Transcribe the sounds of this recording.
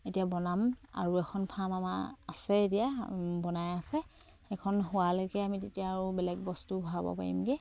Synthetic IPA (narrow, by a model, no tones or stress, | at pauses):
etijabɔnama̰ɹuɛxʰɔnpʰamama̰a̰sɛetijabɔnajasɛ | xɛkʰɔnɦʊwaloɡɛamitetijaːɹubɛlɛɡ̚bɔstubʱabɔ̰pa̰ɹḭmɡɛ